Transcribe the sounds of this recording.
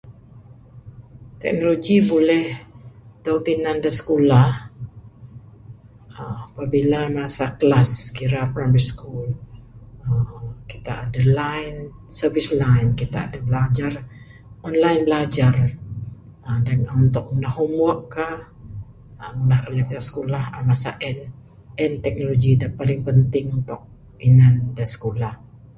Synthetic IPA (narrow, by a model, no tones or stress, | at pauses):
t̪ɛ̰k̚noloɡibolɛhdowt̪inandasə̥kolah | əapabilamasaklaskiɾapɾamɛɾiskul | əki̥t̪aʔːdalaɪnsəvislaɪnkit̪a̰ːdabəlad͡ʒar | ɔnlainbəlad͡ʒar | ədanunt̪ʊk̚munahumɔʔkːah | əŋulahkaliakit̪asə̥kolahamasa̰ʔɛn | ɛnt̪ɛk̚noloɡidapalɪŋpənt̪ɪŋunt̪ʊk̚ | inandansə̥kolah